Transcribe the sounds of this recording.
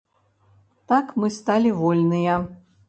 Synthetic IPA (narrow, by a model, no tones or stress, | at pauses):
t̪akmɨst̪alʲivɔlʲnɨjɐ